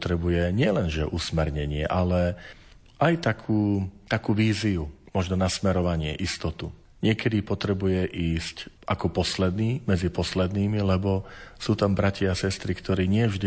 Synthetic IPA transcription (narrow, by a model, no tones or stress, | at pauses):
t̪ɾɛbujɛɲɪɛlɛnʒɛʔusmɛɾɲɛɲɪɛʔalɛ | ʔajt̪akʰuːt̪akuːʋiːziumɔʒnɔnasmɛɾɔʋaɲɪɛ̰ʔist̪ɔt̪u | ɲɪɛkɛd̪ipɔt̪ɾɛbujɛʔiːscʔakɔpɔslɛd̪niːmɛd͡zipɔslɛd̪niːmilɛbɔsuːt̪ambɾaciasɛst̪ɾikt̪ɔɾiːɲɪɛvʒd̪i